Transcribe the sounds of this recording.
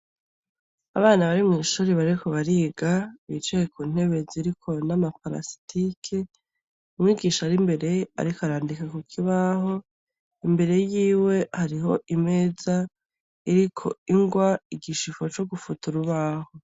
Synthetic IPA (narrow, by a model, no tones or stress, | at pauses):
a̰βaːnaβaɾimŋiːʃuːɾeβaɾikoβaɾiːɡaβit͡ʃejekuːn̥he̞βe̞ziɾikʰo̞namapaɾa̰si̥tʰikʰe | umŋiːɡiːʃaɾimbe̞ɾe̞a̰ɾikaɾaːndikakukʰiβaɦo̞ | imbe̞ɾe̞jiːwe̞haɾiɦo̞ʔime̞za | iɾikʰo̞̰iŋɡwaiɡiʃifo̞t͡ʃo̞ɡufutuɾuβaːho̞